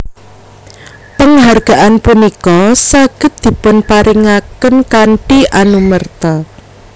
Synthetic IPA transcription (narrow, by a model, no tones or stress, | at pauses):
pəŋɦarɡ̥a̤ʔanpunikɔsaɡ̥ə̤t̪̚d̪̥i̤pʊnpaɾɪŋakənkaɳʈiʔanumərt̪a